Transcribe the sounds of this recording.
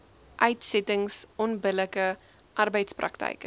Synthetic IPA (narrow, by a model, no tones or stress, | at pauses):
ʔœɥtsɛtəŋsɔnbələkə | ʔɐrbəjtsprɐ̰ktɛ̰jkə